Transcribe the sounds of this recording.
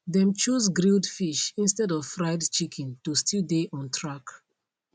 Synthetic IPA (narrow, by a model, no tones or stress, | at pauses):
ðɛ̃mt͡ʃusɡɹildfiʃĩnstɛdɔv̥fɹaɪdt͡ʃikʰɛ̃ntustideʔɔ̃ntʰɹak